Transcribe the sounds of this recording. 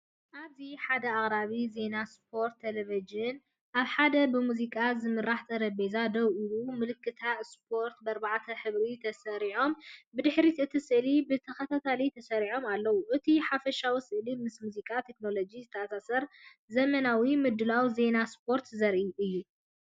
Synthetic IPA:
ʔaβziħad̪ɐaχʼɾaβize̞naspʰo̞ɾt̪ʰːelevid͡ʒɨn | ʔaβħad̪ɐbɨmuzikʼazɨmɨɾːaħt̪ʰɐɾɐbezad̪ɐwʔuumɨlɨkʰːɨt̪ʰaspʰo̞ɾt̪bɐɾbaʕt̪ʰɐħɨβɾit̪ʰɐsɐɾiʕo̞mbɨd̪ɨħɾit̪ɨt̪ʰisɨʔlibɨt̪ʰɐxɐt̪ʰat̪ʰalit̪ʰɐsɐɾiʕo̞malːɐwuʔɨt̪ʰiħafɐʃawisɨʔlimɨsmuzikʼat̪ʰe̞kno̞lo̞d͡ʒizɨt̪ʰɐasasɐɾ | zɐmɐnawimɨd̪ɨlawze̞naspʰo̞ɾt̪zɐɾʔuʔɨjːu

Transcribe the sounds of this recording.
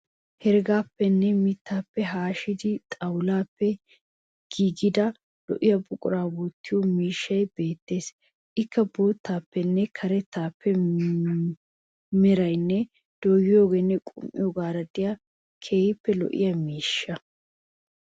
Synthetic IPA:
hɛɾɡaːpːɛnːɛmɪt̪ːaːpːɛɦaːʃɪd̪ɪt̪ʼɐwlaːpːɛ | ɡ̥iːɡɪd̪ɐ | lɔ̰ʔɪjɐbʊkʼʊɾaːbuːt̪ːɪjɔmiːʃːɐjbe̞ːt̪ːe̞ːs | ʔɪkːɐbuːt̪ːaːpːɛnːɛkʰɐɾɛt̪ːaːpːɛ | mɪɾɐjnːɛ | d̪̥oːɡɪjoːɡeːnːɛkʼʊ̰mʔɪ̰jɔɡaːɾɐd̪ɪja | kʰeːhɪpːɛlɔ̰ʔɪ̰jɐmiːʃːɐ

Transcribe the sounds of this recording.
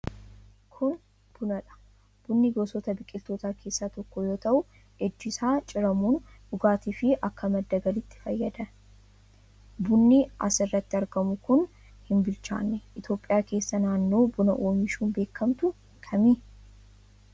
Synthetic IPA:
kʰʊn | b̥ʊnɐᶑɐ̥ | b̥ʊnːiɡoːsɔt̪ɐbɪkʼːɪlt̪oːt̪aːkʰe̞ːsːaːt̪ɔkːɔjo̞ːt̪ɐʔʊ | ɛd͡ʒːɪsaːt͡ʃʼɪɾɐmuːndʊɡaːt̪iːfɪʔɐkːɐmɐd̪ːɐɡɐlɪt̪ːɪ̥fɐjːɐd̪ɐ | bʊnːiɐ̰sɪrːɐt̪ːɪɐɾɡɐmʊkʊn | hɪnbɪlt͡ʃa̰ːnːɛʔɪt̪jo̞ːpʼːɪjaːke̞ːsːɐnaːnːo̞ːbʊnɐʔoːmiːʃuːnbe̞ːkːɐmt̪ʊ | kʰɐmiː

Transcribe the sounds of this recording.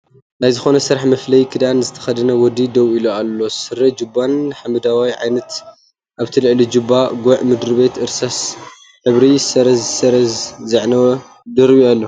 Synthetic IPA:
najzɨxo̞nɐsɨɾaħmɐflɐjkʰɨd̪anzɨt̪ʰɐ̥xɐd̪ɐnɐwɔd̪id̪ɐwilualːo̞sɨɾɐd͡ʒɨbːanħamɨd̪awajʕa̰jnɐt̪ | ʔaβt̪ʰilɨʕlid͡ʒɨbːaɡoʕmɨd̪ɾɨβet̪ʔɨɾsas | ħɨβɾisɐɾɐzsɐɾɐzzɨʕnɐw | d̪ɨɾβialːo

